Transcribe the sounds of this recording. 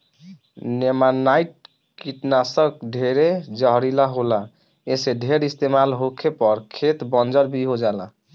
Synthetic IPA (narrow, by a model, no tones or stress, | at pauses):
nemanaiʈ̚ | kiʈnasəkɖʱeɾed͡ʒəɦɾilaɦola | eseɖʱeɾist̪emalɦokʰepɔɾkʰet̪bɔnd͡ʒəɾbʱiɦod͡ʒalã